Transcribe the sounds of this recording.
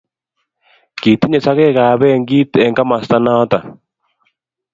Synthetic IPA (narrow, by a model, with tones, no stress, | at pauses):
ki˨ti˦ɲe˨sa˦ɣɛ˦ɣaː˨βɛ˦˨ŋɡiː˦tɛ˨ŋɡa˦ma˨sta˦na˦ta˨